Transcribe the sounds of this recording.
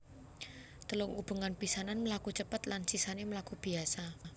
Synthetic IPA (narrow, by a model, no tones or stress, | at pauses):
t̪əlʊŋub̥ṳŋanpisananməlakut͡ʃəpət̪lansisaneməlakub̥i̤asa